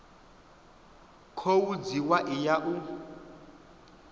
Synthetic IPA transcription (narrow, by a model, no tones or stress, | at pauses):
kʰowud͡ziwaʔɪjaʔu